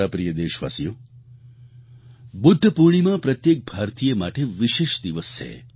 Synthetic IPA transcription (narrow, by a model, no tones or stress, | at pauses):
apɾijəd̪eʃʋa̰sijo | bʊd̪ʱːəpuɾɳ̃imãpɾət̪jek̚bʱaɾt̪ijemaʈeʋiʃeʃd̪iʋəst͡ʃʰḛ